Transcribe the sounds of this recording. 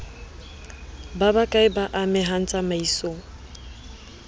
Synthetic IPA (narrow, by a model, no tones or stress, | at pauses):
babakʼaɪbaʔamɪɦan̩t͡sʼamaisoŋ̩